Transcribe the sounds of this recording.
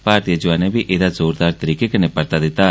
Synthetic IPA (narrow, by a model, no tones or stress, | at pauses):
paːɾt̪ijəd͡ʒʋaːnebʱiʔeːd̪azoːɾd̪aːɾt̪əɾiːkekɪnepəɾt̪ad̪ɪt̪ːa